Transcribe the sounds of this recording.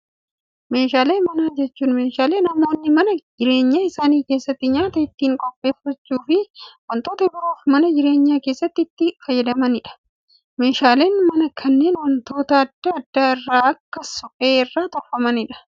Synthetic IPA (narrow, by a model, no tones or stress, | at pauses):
me̞ːʃaːle̞ːmɐnaːd͡ʒɛt͡ʃːuːnmeːʃaːle̞ːnɐmo̞ːnːɪmɐnɐd͡ʒɪɾe̞ːɲːaːɪsaːniːkeːsːɐt̪ːɪɲaːt̪ɐɪt̪ːiːŋkʼɔpʼːe̞ːfɐt͡ʃːuːfɪwɐnt̪o̞ːt̪ɐbɪɾoːfmɐnɐd͡ʒɪɾe̞ːɲːaːkeːsːɐt̪ːɪɪt̪ːɪfɐjːɛd̪ɐmɐnɪᶑɐ̥ | me̞ːʃaːle̞ːnmɐnɐkʰɐnːe̞ːnwɐnt̪o̞ːt̪ɐɐd̪ːaːɐd̪ːaːɪrːaːɐkːɐsʊkʼe̞ːɪrːaːt̪ɔfɐmɐnɪᶑɐ̥